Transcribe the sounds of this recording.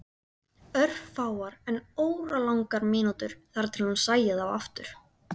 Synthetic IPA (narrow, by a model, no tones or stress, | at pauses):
œr̥vfaːwaɾɛnoːwɾalawŋkaɾmɪːnut̪ʏɾ̥θaɾt̪ʰɪlhunsaːjaðava̰ft̪ʏɾ̥